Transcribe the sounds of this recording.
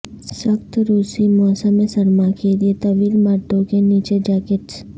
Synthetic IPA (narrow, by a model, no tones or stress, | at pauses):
sɐkt̪ɾuːsimɔːsəmẽsəɾmakeliet̪ɐʋiːlməɾd̪õkeniːt͡ʃed͡ʒaːkɪʈs